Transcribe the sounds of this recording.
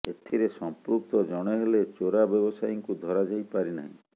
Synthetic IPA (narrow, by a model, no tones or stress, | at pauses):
et̪ʰiɾesɔmpɾuk̚t̪ɔd͡ʒɔɽ̃eɦelet͡ʃoɾabjɔbɔsajiŋkud̪ʱɔɾad͡ʒajpaɾina̰ɦĩ